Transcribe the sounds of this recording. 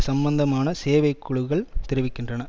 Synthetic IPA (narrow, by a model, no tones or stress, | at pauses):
sɐmbɐnd̪ɐmaːnɐseːʋɐɪkːʊɻʊɣɐɭt̪ɛɾɪʋɪkːɪndrɐnɐ